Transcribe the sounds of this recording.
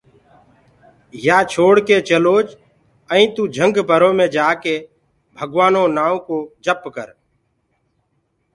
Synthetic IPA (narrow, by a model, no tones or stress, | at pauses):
jaːt͡ʃʰoːɽkeːt͡ʃəloːd͡ʒ | əĩːt̪ũːd͡ʒʱə̃ŋɡbʱəɾõːmẽːd͡ʒaːkeː | bʱəɡʋaːnõːnaːõːkoːd͡ʒəpkə̰ɾ